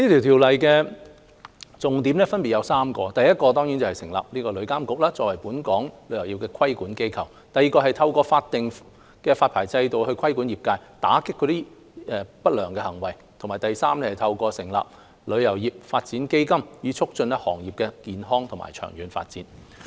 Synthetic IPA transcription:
niː˥t̪ʰi˨˩wt̪ʰiː˨˩wlɐ˨˩jkɛː˧ | t͡sʊ˨ŋt̪iː˨˥mnɛː˥fɐ˥npi˨t̚jɐ˨˧wsaː˥mkɔː˧t̪ɐ˨jɐ˥t̚kɔː˧t̪ɔː˥ŋji˨˥nt͡sɐ˨whɐ˨˩sɪ˨˩ŋla̰ː˨p̚nliː˥kɔː˧lɵ˨˧ɥkaː˥mkʊ˨k̚laː˥t͡sɔː˧k̚wɐ˨˩jpuː˨˥nkɔː˨˥ŋlɵ˨˧ɥjɐ˨˩wjiː˨˩p̚kɛː˧kʰwɐ˥jkuː˨˥nke˥jkʰɐ˨˩w | t̪ɐ˨ji˨˧kɔː˧hɐ˨jt̪ʰɐ˧wkɔː˧faː˧t̚t̪ɪ˨ŋ | kɛː˧faː˧t̚pʰaː˨˩jt͡sɐ˧jt̪o˨whɵ˧ɥkʰɐ˥jkuː˨˥njiː˨p̚kaː˧jt̪a̰ː˨˥kɪ˥kːɔː˨˧t̪iː˥ | ɛ˨˧pɐ˥t̚lœː˨˩ŋkɛː˧hɐ˨˩ŋwɐ˨˩j | t̪ʰŋmaː˨˩jt̪ɐ˨jsaː˥mlɛ˥hɐ˨jt̪ʰɐ˧wkɔː˧sɪ˨˩ŋla̰ː˨p̚ | lɵ˨˧ɥjɐ˨˩wjiː˨p̚faː˧t̚t͡siː˨˥nke˥jkɐ˥mjiː˨˧t͡sʰʊ˥k̚t͡ʃɵ˧nɛ˥hɔ̰ː˨˩ŋjiː˨p̚kɛː˧kiː˨nɦɔː˥ŋt̪ʰʊ˨˩ma̰ː˨˩jt͡ʃʰœ̰ː˨˩ŋjyː˨˧nfa̰ː˧t̚t͡sḭː˨˥n

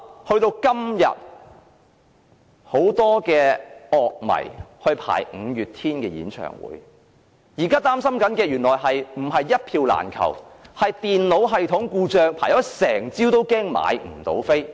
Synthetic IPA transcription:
hɵ˧ɥt̪o˧wkɐ˥mjɐ̰˨t̚ | ho˨˥wt̪ɔː˥kɛː˧ɔː˨˧k̚mɐ̰˨˩jhɵ˧ɥpʰa̰ː˨˩jŋ̩˨˧jyː˨t̚t̪ʰiː˥nkɛː˧jḭː˨˥nt͡ʃʰœ̰ː˨˩ŋwṵː˨˥j | jiː˨˩kaː˥t̪aː˥msɐ˥mkɐ˨˥nkɛː˧jyː˨˩nlɔː˨˩jɦɐ˨jm̩˨˩ɦɐ˨jːɐ˥t̚pʰiː˧wla̰ː˨˩nkʰɐ̰˨˩whɐ˨jt̪iː˨nlo˨˥wɦɐ˨jt̪ʰʊ˨˥ŋkuː˧t͡ʃœː˨ŋpʰaː˨˩jɔ˨˥sɛː˨˩ŋt͡siː˥wt̪o˥wkɛː˥ŋma̰ː˨˧jm̩˨˩t̪o̰˨˥wfe˥j

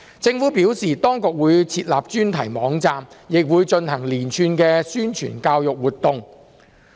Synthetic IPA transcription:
t͡sɪ˧ŋfuː˨˥pi˨˥wsiː˨˩t̪ɔː˥ŋkʊ˨˧k̚wuː˨˧jt͡sʰiː˧t̚laː˨p̚t͡ʃyː˥nt̪ʰɐ˨˩jmɔː˨˥ŋt͡saː˧mjɪ˨k̚wuː˨˧jt͡ʃɵ˧nhɐ˨˩ŋliː˨˩nt͡ʃʰyː˧˩nkɛː˧syː˥nt͡ʃʰy̰ː˨˩nkaː˧wjʊ˨k̚wuː˨t̪ʊ˧ŋ

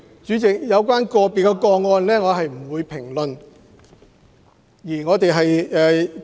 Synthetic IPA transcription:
t͡ʃyː˨˥t͡sɪ˨k̚jɐ˨˧wkwaː˥nkɔː˧piː˨kːɛ˧kɔː˧ŋːɔː˧nlɛː˥ŋɔː˨˧ɦɐ˨jm̩˨˩wuː˨˧jpʰɪ˨˩ŋlɵ˨n | jiː˨˩ŋɔː˨˧t̪e˨˧jɦɐ˨jɛː˨

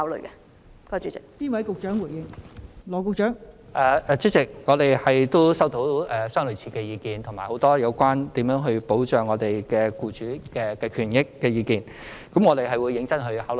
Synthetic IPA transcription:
ha˨˥wlə̰˨˩kɛ˧ | kɔ˨˥˩t͡ʃy˨˥t͡sɪ˨k̚p̪iː˥nwɐ˨˥jkʊ˨k̚t͡ʃœː˨˥ŋwu˨˩jɪ˧ŋlɔː˨˩k̬ʊ˨˧k̚t͡ʃœː˨˥ŋʔɛː˨˧ɛː˨˩t͡ʃyː˨˥t͡sɪ˨k̚ŋɔː˨˧t̪e˨jhɐ˨jt̪o˥wsɐ˥wt̪o˨˥wɛː˨˩sœː˥ŋlɵ˨t͡sʰiː˧kɛ˧jiː˨˧kiː˨˧nt̪ʰŋmaː˨˩jho˨˧˥wt̪ɔː˥jɐ˨˧wkʷwaː˥nt̪iː˨˥mjœː˨˥ŋɦɵ˧ɥpo˨˥wt͡ʃœː˨ŋɔː˨˧t̪e˨jkɛː˧kuː˧t͡ʃyː˨˥kɛː˧kɛ˧kʰyː˨˩njɪ˥kːɛː˧jiː˨˧kiː˨˧n | kɐ˨˥mŋɔː˨˧t̪e˨˩jɦɐ˨jwuː˨˧jːɪ˨˧˥ŋt͡sɐ˥nɦɵ˧ɥhaː˨˥wl

